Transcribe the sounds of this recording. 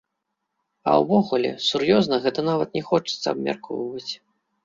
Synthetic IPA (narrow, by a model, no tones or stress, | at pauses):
ɐ̰wvɔɣulʲɛ̰surjɔznɐɣɛt̪ɐnavɐt̪nʲɛxɔt͡ʂɐ̥t̪sːɐɐbmʲa̰rkɔ̰vɐt͡sʲ